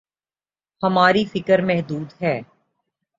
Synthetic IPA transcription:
hɐmaːɾifɪkəɾmɛɦd̪uːd̪ɦɛː

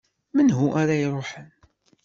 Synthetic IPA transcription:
mənɦuʔaɾajɾˤoħən

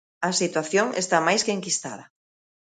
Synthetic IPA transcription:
ɐsit̪waθjoŋḛst̪amajskeŋkist̪a̰ðɐ

